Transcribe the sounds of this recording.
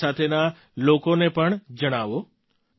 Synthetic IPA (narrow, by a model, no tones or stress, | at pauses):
at̪ʰena | lokonepəɳd͡ʒəɽ̃aʋo